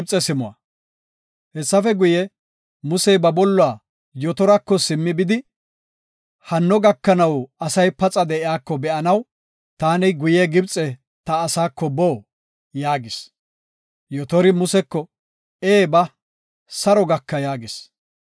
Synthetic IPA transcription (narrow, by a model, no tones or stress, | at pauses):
bt͡sʼɛsɪmʊɐ̰ | hɛsːɐfɛɡʊjɛ | mʊsɛjbɐbɔlːʊaː | jɔt̪ɔɾɐkːɔsɪmːɪbɪd̪ɪ | hɐnːɔɡɐkːɐnɐwɐsɐjpɐt͡sʼɐd̪ɛʔɪaːkːɔbɛʔɐnɐw | t̪aːnɪɡʊjɛɡɪbt͡sʼɛ | t̪ɐːsaːkːɔboː | jaːɡɪs | jɔt̪ɔɾɪmʊsɛkːɔ | eːbɐ | sɐɾɔɡɐkːɐjaːɡɪs